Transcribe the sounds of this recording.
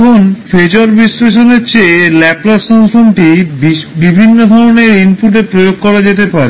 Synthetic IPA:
onfed͡ʑoɾbisɾeʃ̬oneɾt͡ɕelɛplasanponʈibibibʱinːod̪ʱɔɾoneɾimpuʈepɾojoɡ̚kɔɾad͡ʑet̪̬epaɾe

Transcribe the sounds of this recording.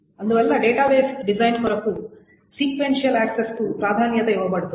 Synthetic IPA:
ɐnd̪uʋɛlːɐɖeːʈaːʋeːsɖid͡ʒɐjnkɔɾɐkːu | siːkʋenʂijɐlaːksestupɾaːd̪ʱaːnjɐt̪eɛʋɐbɐɽt̪u

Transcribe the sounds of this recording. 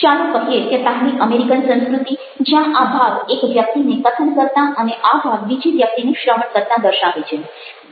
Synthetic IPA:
t͡ʃalũkəɦjeket̪anikəmeɾikənsə̃ñskɾut̪i | d͡ʒjãʔabʱaɡekʋjək̚t̪inekət̪ʰəɳkəɾt̪aʔəneʔabʱaɡʋid͡ʒʱiʋjək̚t̪ineʃɾəɦəɳkəɾt̪ãd̪əɾʃaʋet͡ʃʰe

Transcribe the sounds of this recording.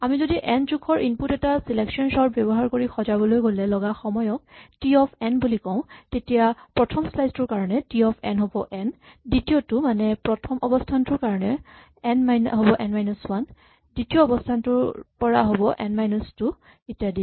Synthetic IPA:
amizodiʔɛntukʰɔɹʔinputɛtasilɛksɔnsɔɹbɛbɔɦaɹkoɹixɔzabɔlojɡolɛlɔɡaxɔmɔjɔk̚tiɔpʰɛnbulikɔʊ̃tetijapɹɔtʰɔmslajztʊɹkaɹɔnɛtiɔpʰɛ̰nɦobɔʔɛnditijotʊmanɛpɹɔtʰɔmʔɔbɔstʰantʊɹkaɹɔnɛ | ɛnmajnɦobɔʔɛnmajnɔswan | ditiɔːbɔstʰantʊɹpɔɹaɦobɔʔɛ̰nmajnɔstʊ | etijadi

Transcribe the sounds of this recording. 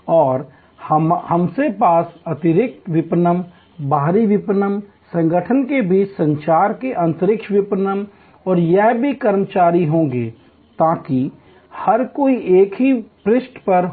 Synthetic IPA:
ɔːɾ | həmsepaːsɐt̪ɪɾɪk̚t̪ʋɪpnəm | baːɾiʋɪpnəm | sə̃ŋɡəʈʰənkebʱisə̃ɲt͡ʃaːɾkeʔɐ̃nt̪əɾɪkʃʋɪpnəm | ɔːɾjɛɦbʱikəɾmət͡ʃaːɾiɦõːɡḛː | t̪aːki | hɐɾkoːiʔeːkʰɦipɾɪsʈpəɾ

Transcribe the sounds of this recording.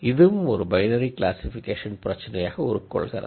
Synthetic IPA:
ɪðɯmɔɾɯbɐɪnɐɾiklaːsɪfɪkːeːʂɐnpɪɾɐt͡ʃːɐnɐjaːɣɐɔɾɯkːɔ̰ɭɣɐrɐ̰ð

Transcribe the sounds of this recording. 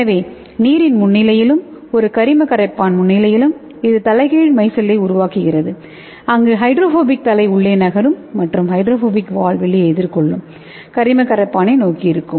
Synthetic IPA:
ɛɐʋeː | niːɾɪnmʊnːɪlɐjɪlɯm | ɔɾɯkɐɾɪmɐkɐɾɐɪpːaːnmʊɳːɪlɐjɪlɯm | ɪðɯt̪ɐlɐɪɣɐːɻmɐɪsɐlːɐɪʊɾʊʋaːkɯɣɪrɐðɯ | ɐŋɡeɦɐɪɖɾoːfoːbɪk̚t̪ɐlɐɪʊɭːeːnɐɣɐɾɯmːɐʈrɯmɦɐɪɖɾoːfoːbɪkʋaːɭʋɛɭːɪjɛðɪɾkɔɭːɯm | kɐɾɪmɐkɐɾɐɪpːaːnɐɪnoːkiɪɾɯkːɯm

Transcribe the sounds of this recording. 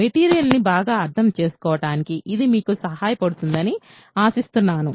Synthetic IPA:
meʈiːɾijɐlnibaːɡaːɐɾd̪ʰɐmt͡ʃe̞ːsu̥kɔːʋɐʈaːnikiʔid̪imiːkusɐɦaːjɐpɐɽut̪und̪ɐni | aːsist̪unːaːnu

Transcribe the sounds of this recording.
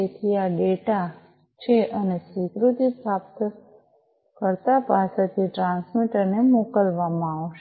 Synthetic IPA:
et̪ʰiaɖeʈa | t͡ʃʰeʔəneswikɾut̪ipɾapt̪ | kəɾt̪apaset̪ʰiʈɾãnsmiʈəɾnemokəlʋamãaʋʃe

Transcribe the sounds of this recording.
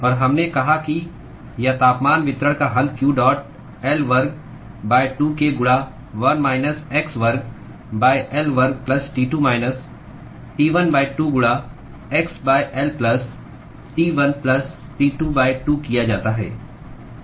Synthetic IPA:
ɔːɾɦɐmnekɐɦaki | jɐt̪aːpmaːnʋɪt̪ɾəɽ̃kaɦɐlkjuːɖɔːʈ̚ | ɛlʋɐɾɡ̚ | baːɪʈuːkeɡʊɽa | ʋɐnmaːɪnəseksʋɐɾɡ̚ | baːjʔɛlʋɐɾɡ̚plɐsʈiːʈuːmaːɪnəs | ʈiːʋənbaːɪʈuːɡʊɽa | eksbaːjʔɛlplɐs | ʈiːʋɐnplɐs | ʈiːʈuːbaːɪʈuːkijad͡ʒaːt̪aɦɛ̰ː

